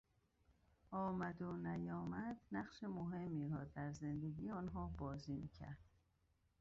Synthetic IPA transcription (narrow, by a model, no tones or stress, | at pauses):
ɒːmæd̪onæjɒːmæd̪næɢʃemoɦe̞mːiːɾɒːd̪æɾze̞nd̪eɡijeɒːnɦɒːbɒːziːmicʰæ̰ɾd̪̥